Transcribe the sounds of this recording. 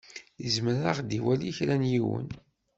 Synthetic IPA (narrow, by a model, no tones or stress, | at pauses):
jəzməɾaʁd̪iwæliçɾænjiwə̰n